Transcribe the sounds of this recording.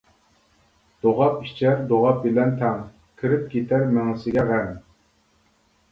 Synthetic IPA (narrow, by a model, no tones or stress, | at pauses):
d̪̥oʁɑpiʃt͡ʃʰæɾd̪oʁɑp̚bɪlɛnt̪ʰæŋ | kʲʰɪɾɪp̚kʲʰet̪ʰæɾmɪŋɨsɪɡʲɛʁæn